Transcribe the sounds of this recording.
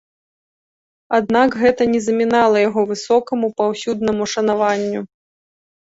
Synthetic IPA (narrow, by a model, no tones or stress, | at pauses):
ad̪̚nakɣɛt̪ɐnʲɛzɐmʲinalˠɐjaɣɔvɨsɔkɐmupawsʲud̪̚nɐmuʂɐnavanʲːu